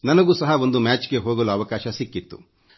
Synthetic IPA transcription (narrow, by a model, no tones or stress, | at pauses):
nɐnɐɡuːsɐɦɐo̞nd̪umaːt͡ʃɡe̞ɦoːɡɐluɐʋɐkaːʃɐsikːit̪ːu̥̰